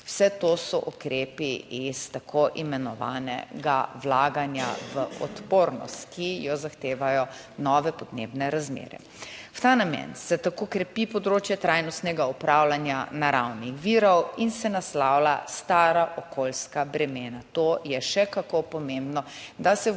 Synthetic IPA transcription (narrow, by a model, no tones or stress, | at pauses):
w̥sɛt̪osɔʔukɾepiist̪akʰoʔimɛnɔʋa̰ːnɛ̰ɡawlaːɡanja̰ʋəʔɔ̰t̪poːɾnɔ̰st̪kijɔzaxt̪eːʋajɔ | nɔːʋɛpɔd̪nḛːbnɛɾazmḛːɾɛ̰ | wt̪aːnamɛ̰nsɛt̪akokɾɛpipɔd̪ɾoːt͡ʃjɛt̪ɾajnɔst̪nɛɡaupɾaːwlanjanaɾawnixʋiːɾɔwinsɛnaslaːwlast̪aːɾaʔɔkolskabɾɛmeːnat̪ojɛʃɛkakopɔmẽmbnɔd̪asɛ